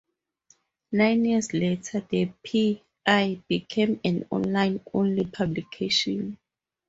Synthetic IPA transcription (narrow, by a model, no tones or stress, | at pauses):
nãjnjisletʰadepʰi | ajbikʰẽmɛ̃nɔ̰̃nlãjnõ̰nlipʰablikʰeʃɔ̃n